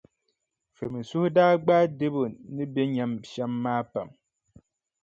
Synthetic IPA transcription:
fe˨mi˨su˦hdaː˦ɡ͡baː˦de˦bo˨ni˦be˦ɲa˨mʃa˦mːaː˦pa̰˨m

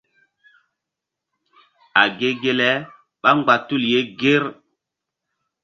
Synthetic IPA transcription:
a˨ɡe˨ɡe˨lɛ˦ | ɓa˦ŋɡ͡ba˨tu˦˨lje˦ɡe˦ɾ

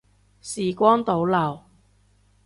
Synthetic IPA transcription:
siː˨kʷɔː˥nt̪o˨˥wlɐ˨˩w

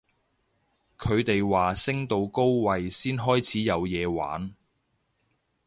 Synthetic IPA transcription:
kʰɵ˨˧ɥt̪e˨jwaː˨sɪ˥ŋt̪o˧wko˥wwɐ˨jsiː˥nɦɔː˥jt͡sʰiː˨˥jɐ˨˧wjɛː˨˧wa̰ː˨˥n

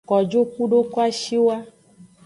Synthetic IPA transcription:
kɔ˨d͡ʒo˦ku˦ɖo˦kɔ˦a˦ʃi˦wa˦

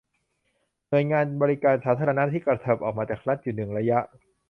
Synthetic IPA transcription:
nu˨˩əjŋaː˧nbɔː˧ɾi˦˥kaː˨˧nsaː˨˦t̪ʰa˧ɾa˧na˦˥ʔt̪ʰiː˥˩kɾa˨˧˩t̪ʰa˨˩p̚ʔɔː˨˩k̚maː˧t͡ɕaː˨˩kɾa˦˥t̪̚juː˨˩nɯ˨˩ŋɾa˧ja˦˥ʔ

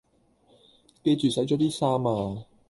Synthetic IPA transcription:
peː˧t͡ʃyː˨˩sɐ˨˥jt͡ʃɔː˨˥t̪iː˥saː˥maː˧

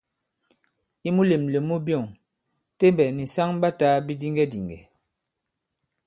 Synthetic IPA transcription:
i˦mu˦le˨mle˨mu˦bjɔ˦˨ŋ | te˦mbɛ˨ni˨sa˦ŋba˦ta˦bi˦di˦ŋɡɛ˦di˨ŋɡɛ̰˨

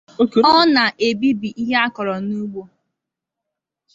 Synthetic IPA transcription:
o˦ke˦ɔ˦na˨ʔe˨bi˦bi˨ʔi˦ɦa˦kɔ˨ɾɔ˨nu˦ɡ͡bo˦

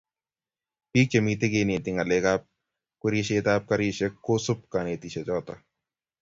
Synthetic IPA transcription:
piː˦k̚t͡ʃe˨mi˨t̪e˦ɡe˦nɪ˨t̪ɪ˨ŋa˨le˦ka˦p̚ | ke˦ɾi˦ʃe˦t̪a˦p̚ka˦ɾi˦ʃe˦kːo˦sʊ˦p̚ka˨ne˨t̪i˨ʃe˨d͡ʒɔ˦t̪a˨

